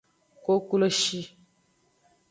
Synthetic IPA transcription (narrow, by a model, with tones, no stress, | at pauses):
ko˦ku˦lo˦ʃi˦